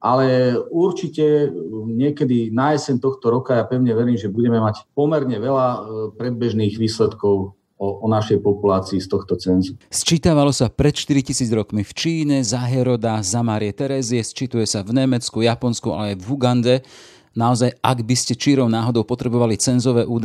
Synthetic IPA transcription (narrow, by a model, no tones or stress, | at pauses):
ʔalɛuɾt͡ʃicɛɲɪɛkɛd̪inaɛsɛnt̪ɔxt̪ɔɾɔkajapɛʊɲɛʋɛɾiːmʒɛbuɟɛmɛmacpɔmɛɾɲɛʋɛlapɾɛd̪̚bɛʒniːɣʋiːslɛt̪kɔʊ | ɔɔnaʃɛjpɔpulaːt͡siist̪ɔxt̪ɔt͡sɛnzust͡ʃit̪aʋalɔsapɾɛt̪ʃt̪iɾicisiːd͡zɾɔkmift͡ʃiːɲɛzaɦɛɾɔd̪azamaːɾiɪɛt̪ɛɾɛːziɛst͡ʃit̪ujɛsavɲɛmɛt͡skujapɔnskua̰lɛajvɦuɡand̪ɛ | naɔzajaɡbiscɛt͡ʃiɾɔʊnaːɦɔd̪ɔʊpɔt̪ɾɛbɔʋalit͡sɛnzɔʋɛːʔuːd̪